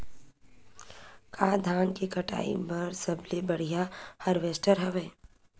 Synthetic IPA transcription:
kaːd̪ʱaːnkikɐʈa̰ːḭbɐɾsɐblebɐɽ̤ijahɐɾʋeːsʈəɾɦɛʋeː

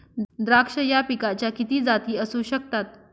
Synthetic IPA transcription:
d̪ɾakʂəjapikat͡ɕjakit̪iːd͡zat̪iːəsuːɕək̚t̪at̪̚

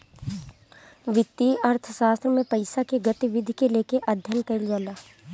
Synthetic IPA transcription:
ʋɪt̪ːiɐɾt̪ʰəʃaːst̪ɾəmẽpɐɪsakeɡɐt̪iʋɪd̪ʱkeleːkeʔɐd̪ʱjənkɐɪld͡ʒalaː

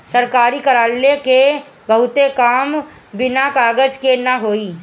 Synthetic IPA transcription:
sɐɾkaːɾikɐɾaːlːeke | bɐɦʊt̪ekaːm | bɪnakaːɡəd͡ʒkenɐɦoːiː

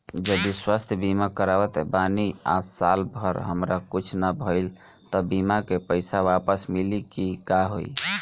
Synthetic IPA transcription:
d͡ʒəbiswast̪ʰjbimakəɾawət̪ɛbania̰t̪ʰsalbʱəɾɦəmɾakut͡ʃʰnabʱəɪl | t̪əbimakepəjsawapəsmilikikaɦo̰j

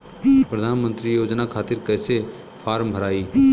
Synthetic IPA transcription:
pɾəd̪ʱaːnmə̃nt̪ɾijoːd͡ʒnakʰaːt̪ɪɾkɛːse | pʰaːɾmbʱəɾaːiː

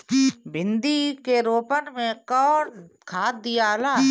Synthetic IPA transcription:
bʱɪ̃nd̪ikeɾoːpənmẽkɔː | kʰaːt̪̚d̪ijaːla

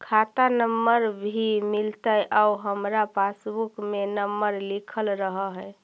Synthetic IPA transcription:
kʰat̪anəmːəɾbʱimilt̪əʔauɦəmɾapasbukmenəmːəɾlikʰəlɾəɦəɦə

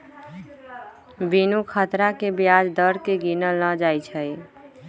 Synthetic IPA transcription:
binukʰət̪ɾakebjad͡ʒd̪əɾkeɡinələ̃d͡ʒajt͡ʃʰəj

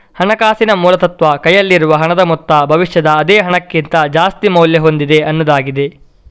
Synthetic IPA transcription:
hɐɳɐkaːsinɐmuːlɐt̪ɐt̪ʋɐkɐjɐlːiɾuʋɐɦɐɳɐd̪ɐmut̪ːɐbʱɐʋiʃjɐd̪ɐːd̪ɛːɦɐɳɐkːint̪ɐd͡ʒaːst̪imɐwljɐɦo̞nd̪id̪e̞ʔɐnːud̪aːɡid̪e̞

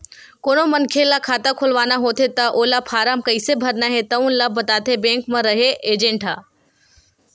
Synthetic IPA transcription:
koːnomɐnkʰelakʰaːt̪akʰʊlʋaːnaɦoːt̪ʰet̪ɐʔoːlapʰaːɾaːmkɐisebʱɐɾnaɦet̪ɐũnlabɐt̪aːt̪ʰebẽːŋkmɐ̃ɾɐɦeʔeːd͡ʑẽɳʈɦaː

